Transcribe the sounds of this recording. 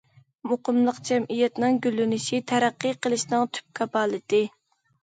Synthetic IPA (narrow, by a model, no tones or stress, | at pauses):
moqəmlˠəqd͡ʒɛmʔijɛt̪nɨŋɡʲylːynɪʃit̪ʰɛɾæqːəqʰəlˠɨʃnɨŋt̪ʰy̥p̚kʰɑpɑːlˠɨt̪ɪ